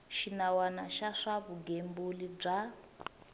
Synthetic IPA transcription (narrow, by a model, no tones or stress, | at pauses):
ʃinawanaʃaʂaβuɡembulib͡ʐa